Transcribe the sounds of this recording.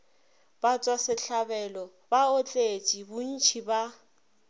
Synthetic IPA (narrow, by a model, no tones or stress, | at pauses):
b̥at͡sʼwasɪɬabɛlɔ | baot͡ɬʼet͡ʃʼibʊn̩t͡ʃʰiba